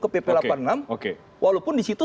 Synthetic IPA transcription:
kəpepelapannamoke | wʔalopʊndisit̪u

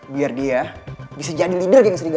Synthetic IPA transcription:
biardiabisad͡ʒadilidərjaŋsəɾiɡ

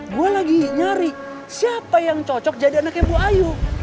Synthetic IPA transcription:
ɡualaɡiɲaɾi | siapajaŋt͡ʃɔt͡ʃɔk̚d͡ʒadianakjabuaju

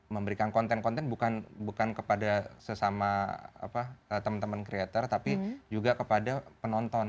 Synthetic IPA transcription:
məmbəɾikankɔnt̪ɛnkɔnt̪ɛnbukanbukankəpadasəsamaa̰paət̪əmənt̪əmankɾiat̪ərt̪apid͡ʒuɡakəpadapənɔnt̪ɔn

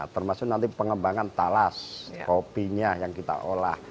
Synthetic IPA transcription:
t̪ərmasʊk̚nant̪ipəŋəmbaŋant̪alaskopiɲajaŋkit̪a̰ʔola̰h

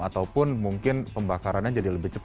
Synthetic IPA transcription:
at̪awpʊnmuŋkɪnpəmbakaɾanɲad͡ʒadiləbɪht͡ʃəp

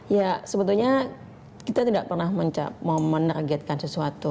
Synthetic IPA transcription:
jasəbənt̪ulɲa | kit̪at̪idaʔ̚pərnahməɲt͡ʃa̰p̚mamənərɡiat̪̚kansəsuat̪u

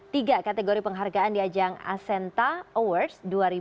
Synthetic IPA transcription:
t̪iɡakat̪eɡoɾipəŋɦarɡaandiad͡ʒaŋa̰sɛnt̪aowərsduaɾi

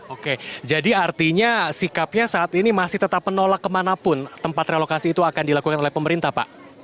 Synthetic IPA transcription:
oked͡ʒadiart̪iɲasikap̚ɲasaːt̪inimasɪht̪ət̪apmənolakːəmanapʊnt̪əmpat̪ɾelokasiːt̪uakandilakukanolɛhpəməɾint̪ahpa̰ʔ

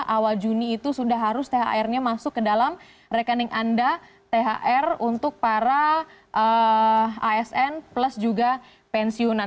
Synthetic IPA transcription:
ʔawald͡ʒuniːt̪usudahɦaɾʊst̪eɦa̰ɛrɲamasʊkːədalam | rekənɪŋʔanda | t̪eɦa̰ʔɛrunt̪ʊk̚paɾaʔə | aɛsɛnpləsd͡ʒuɡa | pɛnsionan

